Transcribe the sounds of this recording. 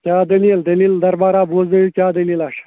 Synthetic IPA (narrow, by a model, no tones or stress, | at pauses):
kʲaːd̪ɐlild̪ɐliːld̪ɐɾbaːɾaːboːzɐjukʲaːd̪ɐlilaʂ